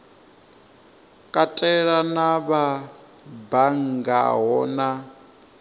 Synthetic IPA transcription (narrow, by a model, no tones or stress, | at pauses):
kʼatʼɛɺanaβa | baŋɡa̰ɦɔna